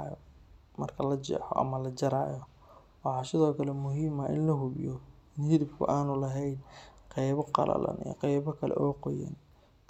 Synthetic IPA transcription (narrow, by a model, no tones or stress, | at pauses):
jɔ | mɐrkʰɐlɐt͡ʃɛ̰ːħɔ̰ʔɐ̰mɐlɐt͡ʃɐɾaːjɔ | wɑħɑsɪðɔːkʰɐlɛmʊɦiːmɐʔɪnlɐɦʊβjɔɪnhɪðɪbkʰʊ̰ʔaːnʊlɐɦɛjnqɑjβɔqɑ̰lʔɐ̰lɐ̰nḭjqɑjβɔkʰɐlɛ̰ʔɔːqɔjɐ̰n